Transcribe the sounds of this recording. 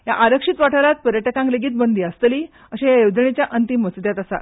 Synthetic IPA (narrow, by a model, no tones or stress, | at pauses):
ja̰ʔaɾəkʂit̪ʋaʈʰaɾat̪̚pəɾjəʈəkãŋkleɡiːt̪̚bənd̪ʱiast̪əliː | əɕẽjajəwd̪əɳit͡ɕjaʔənt̪imːət͡sd̪jat̪asa̰